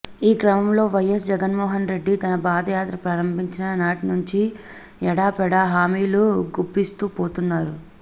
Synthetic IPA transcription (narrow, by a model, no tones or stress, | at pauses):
iːkɾɐmɐmlo̞ːʋɐjːɐsd͡ʒɛɡɐnmɔːɦɐnɾe̞ɖːit̪ɐnɐpaːd̪ɐjaːt̪ɾɐpɾɐɾɐmbʱiɲt͡ʃinɐnaːʈinuɲt͡ʃi | ɛɽaːpɛɽaɦaːmiːluɡubːist̪uːpoːt̪unːaːɾu